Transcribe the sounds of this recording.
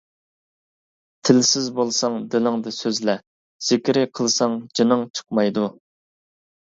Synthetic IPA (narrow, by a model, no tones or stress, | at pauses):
t̪ʰɪlsɪzbolˠsɑŋd̪ɪlɪŋd̪ɨsøzlɛ | z̥ɪkʲɾɪqʰəlˠsɑŋd͡ʒinəŋt͡ʃʰə̥q̚mɑjd̪u